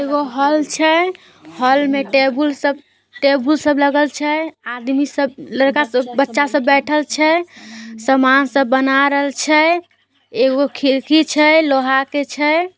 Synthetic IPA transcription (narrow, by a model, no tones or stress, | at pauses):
eɡoɦəlt͡ʃʰɛ | həlmeʈebulsəb | ʈebulsəbləɡəlt͡ʃʰɛad̪misəbləɾkasəbbətːʃasəbːɛʈʰəlt͡ʃʰɛ | səmansəbːənaɾəɦəlt͡ʃʰɛ | eɡokʰiɾkit͡ʃʰɛloɦaket͡ʃʰɛ